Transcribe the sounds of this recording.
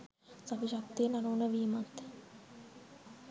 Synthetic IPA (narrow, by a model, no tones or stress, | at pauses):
sabiʃak̚t̪ijənaɾuːnəʋiːmat̪